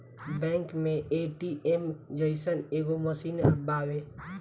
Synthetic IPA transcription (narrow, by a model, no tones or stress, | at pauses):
bɛ̃ːŋkmẽeʈiʔemd͡ʒəɪsəneːɡoməsiːnəbaːwe